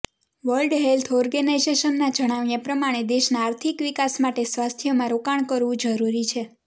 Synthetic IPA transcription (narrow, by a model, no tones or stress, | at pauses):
ʋəlɖɦelt̪ʰɔɾɡənajzeʃənːad͡ʒəɽ̃aʋjãpɾəmaɽ̃ed̪eʃnaːɾt̪ʰikʋikasmaʈesʋast̪ʰijomãɾokaɳ̃kəɾʋũd͡ʒəɾuɾit͡ʃʰe